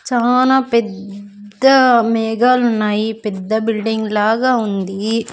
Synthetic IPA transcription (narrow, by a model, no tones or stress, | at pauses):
t͡ʃaːlaːpɛd̪ːɐmɛːɡaːlunːaːjipɛd̪ːɐbilɖiŋɡlaːɡaːund̪i